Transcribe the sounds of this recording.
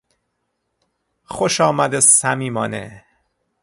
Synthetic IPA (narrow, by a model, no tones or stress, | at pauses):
xoʃɒːmæd̪esæmiːmɒːnḛ